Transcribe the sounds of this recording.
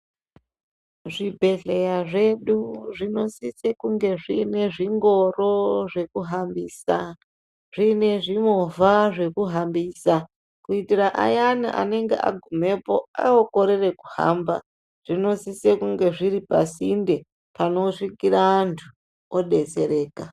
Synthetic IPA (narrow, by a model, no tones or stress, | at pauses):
ʐibʱe̞ɮe̞jaʐe̞ɗuʐino̞sisekuŋɡe̞ʐiːne̞ʐiŋɡo̞ro̞ʐe̞kuɦambiːsa | ʐ̥ine̞ʐimovaʐe̞kuɦambiːsa | kuitiraʔa̰janiʔa̰ne̞ŋɡḛʔa̰ɡʱume̞po̞a̰oko̞ɾere̞ku̥ha̰mba̰ | ʐ̥ino̞sisekuŋɡe̞ʐiɾipa̰sinde̞ | pano̞ʂikiraːntʰu | oɗe̞t͡se̞ɾe̞ːka